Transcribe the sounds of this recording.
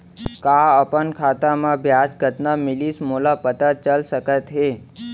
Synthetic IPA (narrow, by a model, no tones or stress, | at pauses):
kaəpənkʰat̪amãbʱjat͡ʃɡʱət̪namilismolapət̪ət͡ʃəlʃəkət̪ɦe